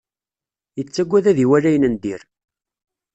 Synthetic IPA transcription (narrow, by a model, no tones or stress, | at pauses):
jət͡sːæɡʷːæðæðiwælæjənənd̪iɾ